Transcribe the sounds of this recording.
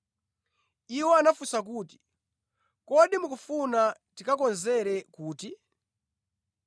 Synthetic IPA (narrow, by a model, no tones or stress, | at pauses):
iwɔanafusak̬uːti̥ | kɔɗimukufunatikakɔnzɛɾɛkuːti